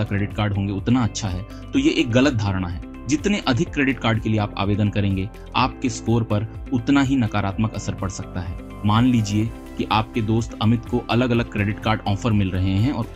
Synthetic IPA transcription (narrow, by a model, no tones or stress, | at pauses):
akɾeːɖɪʈkaːɾɖɦõːŋɡeʊt̪naɐtːʃʰaɦɛː | t̪ojeʔeːk̚ɣɐlət̪̚d̪ʱaːɾɽ̃aɦɛː | d͡ʒɪt̪neʔɐd̪ʱɪkːɾeːɖɪʈkaːɾɖkelieaːpa̰ːʋeːd̪ənkɐɾẽːŋɡe | aːp̚keskoːɾpɐɾʊt̪naɦinɐkaːɾaːt̪məkɐsəɾpɐɽsɐk̚t̪aɦɛː | maːnliːd͡ʒie | kiʔaːp̚ked̪oːst̪ɐmɪt̪koʔɐləɡɐləɡ̚kɾeːɖɪʈkaːɾɖɔːfəɾmɪlɾɐɦeɦɛ̃ɔːɾ